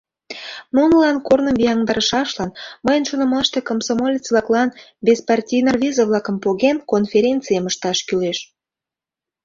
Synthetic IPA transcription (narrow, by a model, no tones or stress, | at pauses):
nunə̆lɑnkornəmbʲijɑŋd̪ɑɾəʃɑʃlɑnməjənʃonə̆mɑʃt̪e̽komsomolʲet͡sβlɑklɑnbʲespɑrtʲijnɑrβʲizəβlɑkəmpoɣenkonfʲeɾʲentt͡sɨjəməʃt̪ɑʃkyleʃ